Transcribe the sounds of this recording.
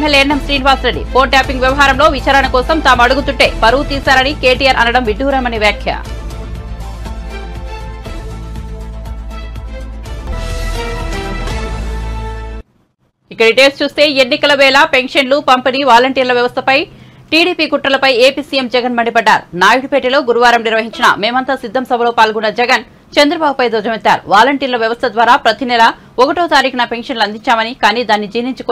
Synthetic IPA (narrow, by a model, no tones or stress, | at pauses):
melːenːɐmsɾiːnʋaːsɾeɖːḭpo̞ːɳʈjaːpiŋɡʋjɐʋɐɦaːɾɐmlo̞ːʋit͡ʃaːɾɐnɐkɔːsɐmt̪aːmɐɽuɡut̪uɳʈe̞ːpɐɾut̪iːsaːɾɐnike̞ːʈijaːɾʔɐ̰nɐɽɐmʋiɖʱuːɾamɐniʋjaːkʰjɐ̰ | ikːɐɽiʈeːlst͡ʃuːst̪e̞ːenːikɐlɐʋɛːlɐpe̞ŋʂɐnlupɐmpiniːʋaːlɐɳʈiːɾlɐʋjɐʋɐst̪ʰɐpɐj | ʈiːɽiːpiːkuʈːɐlɐpɐjeːpiːsiːjemd͡ʒɛɡɐnmɐɳɖipɐɖːaːɾunaːjuʈipeːʈilo̞ːɡuɾuʋaːɾɐmniɾʋɐɦiɲt͡ʃinɐ̰me̞ːmɐnt̪aːsid̪ʱːɐmsɐbʱɐlo̞ːpaːlɡunːɐd͡ʒɛɡɐn | t͡ʃɐnd̪ɾɐbaːbupɐjd̪ɔːd͡ʒɐmet̪ːa̰ːɾṵʋaːlɐɳʈiːɾlɐʋjɐʋɐst̪ʰɐd̪ʋaːɾaːpɾɐt̪inɛlɐ | ɔkɐʈoːt̪aːɾiːkɐnɐpe̞ŋʂɐnlɐnd̪iɲt͡ʃaːmɐnikaːniːd̪aːnːid͡ʒiːniɲt͡ʃukː